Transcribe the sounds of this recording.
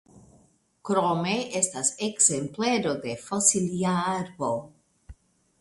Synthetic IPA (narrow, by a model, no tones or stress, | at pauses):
kɾomeestaseɡzempleɾode̞fasiliaaɾbo